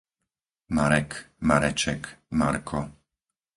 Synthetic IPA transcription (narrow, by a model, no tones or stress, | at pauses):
maɾɛkmaɾɛt͡ʃɛkmaɾkʰɔ